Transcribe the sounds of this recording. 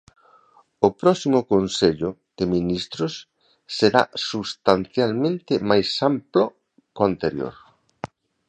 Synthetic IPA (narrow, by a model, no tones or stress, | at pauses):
ʊpɾɔsimʊkonseʎʊ | d̪̥eminist̪ɾʊsː | eɾa̰sust̪anθjalmẽnt̪ɪmajsamplo | koant̪eɾjo̰ɾ